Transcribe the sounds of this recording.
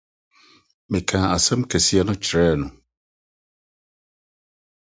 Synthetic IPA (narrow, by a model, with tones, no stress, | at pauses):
mɪ̃˨kʰãː˨a˨sɛ̃˦mkʰɛ˨si˦a˦nʊ̃˦t͡ɕʰɾɛː˦˨nʊ̃˨